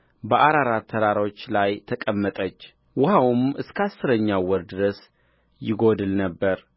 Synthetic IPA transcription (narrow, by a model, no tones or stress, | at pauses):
bəʔaɾaɾat̪ʰːəɾaɾo̞t͡ʃːlajt̪ʰəkʼəmːət̪ʼət͡ʃː | wʊhawmɨskʰəasːɨɾəɲːawɔɾd̪ɨɾəs | jɪɡo̞d̪ɨlnəbːəɾ